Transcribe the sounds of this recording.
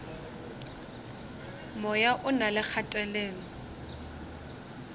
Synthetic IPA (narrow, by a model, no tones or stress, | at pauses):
mɔjaʔʊnalɪk͡xʰatʼɛlɛːlɔ